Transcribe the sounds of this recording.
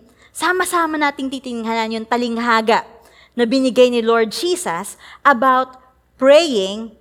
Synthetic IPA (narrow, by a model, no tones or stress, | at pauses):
saːmɐsaːmɐnaːt̪ɪŋt̪iːt̪ɪnɪŋɦanɐnjʊŋt̪ɐlɪŋɦaːɡɐʔ | nɐbɪnɪɡajnɪlo̞ɹd̪̚d͡ʒiːsɐsʔɐbawt̪̚ | pɹɛjɪŋ